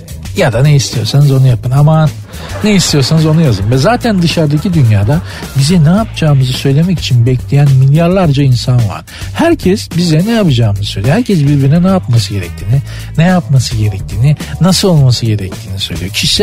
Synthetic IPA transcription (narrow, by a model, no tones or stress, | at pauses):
jad̪aneist̪ʰijo̞ɾsanɯzo̞nujapɯnama | nejist̪ʰijo̞ɾsanɯzo̞nujazɯmvɛzaːt̪ʰænd̪ɯʃaɾd̪acʰid̪ynjaːd̪a | bizɛnɛjapd͡ʒaːmɯzɯsø̞jlʲe̞mɛci̥t͡ʃʰinbɛclʲejænmilʲjaɾlˠaɾd͡ʒainsanva̰ɾ̥hæɾcʰɛsbizɛnɛjapad͡ʒaːmɯzɯsøjlʲijohæɾcʰɛs̬biɾbiɾinɛnɛjap̚masɯɟe̞ɾɛc̚t̪ʰiːni | nɛjapmasɯɟe̞ɾɛc̚t̪ʰiːninasɯlˠolˠmasɯɟe̞ɾɛc̚t̪ʰiːnisø̞̰jlʲḭjocʰiʃsɛ